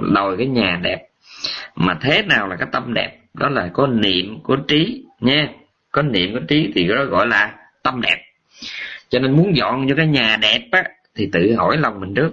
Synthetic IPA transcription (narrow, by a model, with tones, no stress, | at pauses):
ɗo˨˩jkaː˨˦jɲaː˨˩ɗɛ˨˩p̚ | maː˨˩t̪ʰe˨˦naː˨˩wlaː˨˩kaː˨˦jt̪ə˧mɗɛ̰˨˩p̚ɗɔ˨˦laː˨˩kɔ˨˦nḭ˧˨əmku˧˩ət͡ɕi˨˦ɲɛ˧ | kɔ˨˦nḭ˧˨əmku˧˩t͡ɕi˨˦t̪ʰi˨˩kːɗɔ˨˦ɣɔ̰˧˨jlaː˨˩ | t̪ə˧mɗɛ˨˩p̚ | t͡ɕɔ˧ne˧nmu˨˦ənzɔ̰˧˨nɲɨ̰˧˥kaː˨˦jɲaː˨˩ɗɛ˨˩p̚ʔa˨˦ | t̪ʰi˨˩t̪ɨ̰˧˨ɦo̰˧˩jlə˨˩wŋ͡mmï˨˩ŋ̟t͡ɕɨ˦˥ək̚